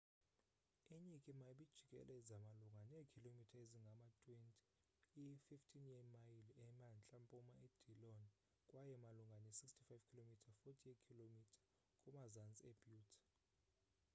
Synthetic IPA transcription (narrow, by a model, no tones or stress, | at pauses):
iɲikʼimaɓid̥ʒ̥ʱikʼɛ̰lɛzamaluŋɡʱaneːkʰilomitʰaeziŋɡʱamatʼwentʼi̥ | ififtʰinjɛmajilɛmant͡ɬʼampʼumaed̥ʱilɔn | kʼwajɛmaluŋɡʱanisikstʰʼi̥fajv̥kʰilomitʰafotʰʼiɛkʰilomitʰḁ | kʼumazant͡sʼiɛb̥ʱjuːtʰi̥